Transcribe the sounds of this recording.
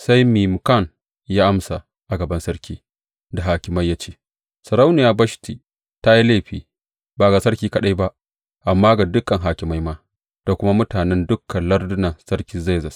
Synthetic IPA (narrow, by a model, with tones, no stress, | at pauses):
sa˦jmiː˨mʊ˨ka˦˨n | jaː˦ʔa˦msa˨ | ʔa˨ɡɐ˨bɐ˦nsɐ˦ɽkʲiː˦ | da˨ɦaː˨kʲɪ˨ma˦jːa˦t͡ʃeː˦ | sɐ˨ɾa˦wnɪ˨jaː˦bɐ˦ʃtiː˨ | ta˦ji˦leː˦˨ɸiː˦ | baː˨ɡaː˨sɐ˦ɾkʲiː˦kɐ˨ɗa˦jba˦ʔ | ʔa˨mːaː˦ɡa˨dʊ˦kːɐ˨ŋɦaː˨kʲɪ˨ma˦jmaː˦ | d̥a˨kʷʊ˦ma˦mʊ˦taː˨nɛ˦ndʊ˦kːɐ˨nlɐ˦rdʊ˦nɐ˨nsɐ˦ɾkʲi˦ze˦zɐ˨s